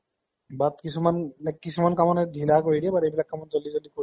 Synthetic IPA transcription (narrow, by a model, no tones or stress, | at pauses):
bat̪kit͡ɕʰumanɛkkːit͡ɕʰumankamoned̪ʱilakojɾebaɾejbilak̚kamond͡ʑolːid͡ʑolːiko